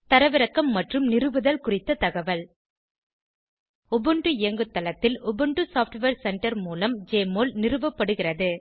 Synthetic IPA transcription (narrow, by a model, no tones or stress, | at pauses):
t̪ɐɾɐʋɪɾɐkːɐmːɐʈrɯmnɪrɯʋɯðɐlkʊrɪt̪ːɐt̪ɐɣɐʋɐl | ɔbɯɳɖɯɪjɐŋɡɯt̪ːɐlɐt̪ːɪlɔbɯɳɖɯsaːfʈʋɐɾsɛɳʈɐɾmuːlɐmd͡ʒeːmoːlnɪrɯʋɐpːɐɽɯɣɪrɐðɯ